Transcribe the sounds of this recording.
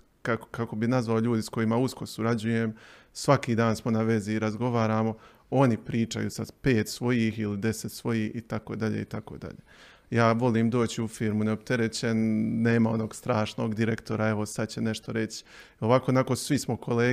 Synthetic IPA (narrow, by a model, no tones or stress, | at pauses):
kakkako̞binazʋaoʎuːd̪isko̞jimausko̞suɾad͡ʑuje̞msʋakiːd̪aːnsmo̞naʋe̞ziːɾazɡo̞ʋaːɾaːmo̞ | o̞nipɾiːt͡ʃa̰jṵsad̪pe̞ːt̪sʋo̞jiːxilid̪e̞set̪sʋo̞jiːhit̪ako̞ːd̪aʎḛːit̪ako̞̰d̪a̰ʎeː | jaːʋo̞liːmd̪o̞ːt͡ɕiufiːɾmuneopt̪e̞ɾet͡ɕe̞nːe̞ːmao̞no̞ːɡst̪ɾaːʃno̞ːɡd̪iɾekt̪o̞ɾae̞ʋo̞sad̪̚t͡ɕe̞ne̞ʃt̪oɾe̞t͡ɕ | o̞ʋakoːnako̞sʋismo̞kʰo̞leː